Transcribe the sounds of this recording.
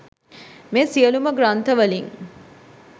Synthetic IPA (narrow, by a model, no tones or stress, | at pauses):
mesiəluməɡɾant̪əʋəliŋ